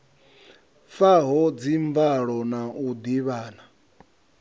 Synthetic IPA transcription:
faɦɔd͡ziɱmvaɺɔnaʔud̪iβaːna

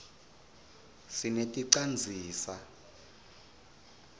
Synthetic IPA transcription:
sinetʼiǀand͡zʱiːsa

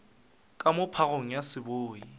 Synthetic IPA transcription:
kʼamʊpʰaɣoŋ̩jasɪboːi

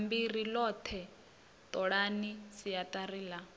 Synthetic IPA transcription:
mbirilɔt̪ʰɛ | t̪ʼɔɺanisijatʼariːla

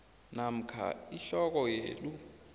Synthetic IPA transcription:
nam̩kʰa̰iɬɔk̬ɔjḛːɗu

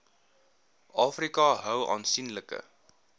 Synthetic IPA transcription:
ʔɑːfrikɑɦœwɑ̰ːnsinləkə̰

